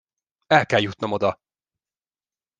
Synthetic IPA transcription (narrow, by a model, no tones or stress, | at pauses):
ɛlkɛljut̪nɒmo̞d̪ɒ